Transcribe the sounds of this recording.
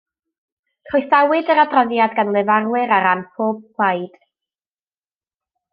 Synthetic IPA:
kʰrɔjθawɨdəɾadrɔðjadɡanlˠɛvarwɪɾaɾanpʰoːb̥̚pʰl̥ajd̥

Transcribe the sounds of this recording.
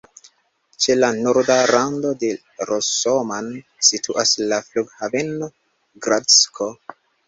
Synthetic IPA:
t͡ʃe̞lanoɾdaɾando̞de̞ | ɾosoman | sitʰuʔaslafluɡhaveno | ɡɾaskʰo

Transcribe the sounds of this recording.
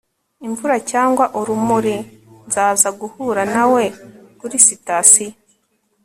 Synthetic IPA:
iɱvuɾacaːŋɡwaʔuɾumuɾinzaːzaɡuhuɾanawe̞kuɾisitasi

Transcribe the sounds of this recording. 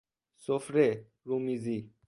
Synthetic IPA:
sofɾe | ɾumizi

